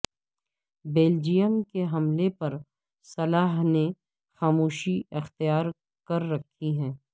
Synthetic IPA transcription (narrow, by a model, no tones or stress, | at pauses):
beːld͡ʒijəmkeɦɐmlepɐɾ | sɐlaːɦne | xaːmoːʃiɪxt̪ijaːɾ | kɐɾːɐkʰːiɦɛ̃ː